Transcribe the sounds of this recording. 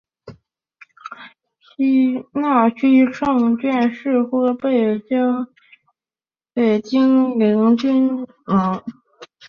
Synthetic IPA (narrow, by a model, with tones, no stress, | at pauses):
ɕi˥na˥˩t͡ɕʰy˥˩ʈ͡ʂʰɤ˥˧ŋt͡ɕɥɛ˥˧nʂɻ̩˥˧xwɔ˥˩pe˥˩ɪt͡ɕjɑ˥ʊ | pe˨˩ɪt͡ɕi˥ŋli˧˥ŋt͡ɕy˥nnɤ˧˥ŋ